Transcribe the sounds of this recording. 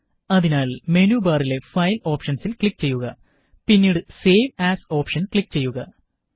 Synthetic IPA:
ɐðinaːlme̞nuːbaːrile̞fɐjlo̞ːpʂɐnsilkɭik̚ːt͡ɕe̞jːuɣɐ | pinːiːɽɨse̞ːʋaːso̞ːpʂɐnkɭikːt͡ɕe̞jːuɣɐ

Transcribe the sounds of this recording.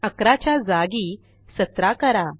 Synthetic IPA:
əkɾat͡ɕjad͡zaɡiː | sət̪ɾakəɾa

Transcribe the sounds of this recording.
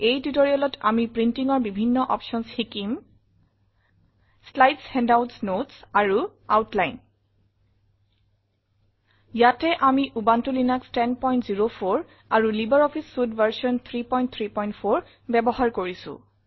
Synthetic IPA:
ejtutoɹiɔlɔtamipɹintiŋɔɹbibʱinːɔʔɔpʃɔnsxikim | slajtshɛndawtsnotsaɹuawtlajn | jatɛʔamiʔubantulinakstɛnpɔjntziɹopʰoɹ | aɹulibaɹɔpʰisfudvaɹsɔnt̪ʰɹipɔj̃nt̚t̪ʰɹipɔjntpʰoɹ | bɛbɔɦaɹkoɹisʊ̰̃

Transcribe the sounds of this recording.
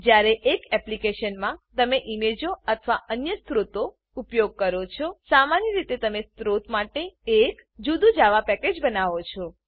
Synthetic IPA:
d͡ʒjaɾeʔekɛplikeʃənmãt̪əmeʔimed͡ʒoət̪ʰʋaʔənjəst̪ɾut̪o | upjoɡ̚kəɾot͡ʃʰɔsamanjəɾit̪et̪əmest̪ɾot̪maʈeekd͡ʒud̪ũd͡ʒaʋapɛked͡ʒbənaʋot͡ʃʰɔ

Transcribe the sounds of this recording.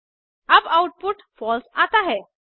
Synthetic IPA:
abawʈ̚puʈfɔlsat̪aɦe

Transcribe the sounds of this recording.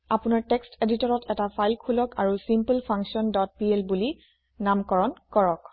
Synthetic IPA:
apunaɹtekstʰeditɔɹɔtɛtapʰajlkʰulɔkaɹusimpəlpʰaŋksiɔndɔt̚pielbuli | namkɔɹɔnkɔɹɔk

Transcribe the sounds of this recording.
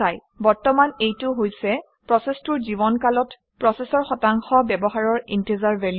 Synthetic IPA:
aj | bɔɹtɔmanejtʊɦojsɛ | pɹɔsɛstʊɹzibɔnkalɔt | pɹɔsɛsɔɹxɔtaŋxɔbɛbɔɦaɹɔɹintezaɹvɛl

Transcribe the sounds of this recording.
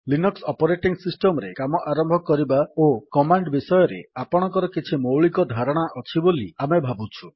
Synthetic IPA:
linuksɔpɔɾeʈiŋsisʈɔmɔɾekamɔʔaɾɔmbʱɔkɔɾibaokɔmaɳɖbisɔjɔɾḛapɔɽ̃ɔ̃ŋkɔɾɔkit͡ʃʰimowɭikɔd̪ʱaɾɔɽ̃aʔɔt͡ʃʰibolḭamebʱabut͡ʃʰu̥

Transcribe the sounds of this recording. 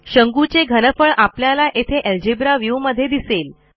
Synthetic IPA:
ɕəŋɡut͡seɡʱənəfəɭapljalaʔet̪ʰeʔeld͡ʑebɾaʋjuwməd̪ʱːjed̪isel

